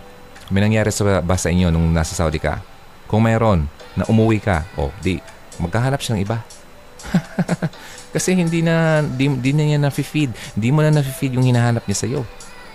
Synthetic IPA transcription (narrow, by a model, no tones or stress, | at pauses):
mɐjnɐŋjaːɾɛsɐbaːsɐʔɪɲːo̞nʊŋnasɐsawd̪ɪka̰ | kʊŋmɛɾo̞nː | ɐ̰ʔʊmʊwikɐ̰ʔo̞̰d̪i | mɐɡ̚haːhaːnɐpʃanɐŋʔɪba | kɐsɛhɪnd̪inɐd̪id̪ɪnɐɲanɐfɪfid̪̚hɪnd̪imonɐnɐfɪfid̪jʊŋhɪnaɦaːnɐp̚ɲasɐjo̞